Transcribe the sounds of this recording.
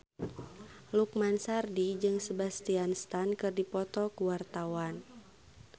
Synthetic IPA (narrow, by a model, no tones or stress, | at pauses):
lukmansardid͡ʒɨŋsəbast̪ianst̪ankɨrdipɔt̪ɔkuwart̪awan